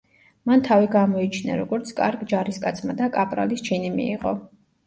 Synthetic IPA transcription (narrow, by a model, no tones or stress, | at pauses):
mant̪ʰaviɡamɔit͡ʃʰna̰ɾɔɡɔɾt̪sʰkʼaɾɡd͡ʒaɾiskʼat̪sʰmad̪akʼapʼɾa̰list͡ʃʰinimḭːʁɔ̰